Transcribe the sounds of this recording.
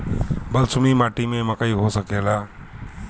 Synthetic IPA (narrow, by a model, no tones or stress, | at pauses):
bəlsʊmimaʈimẽməkəjɦosəkela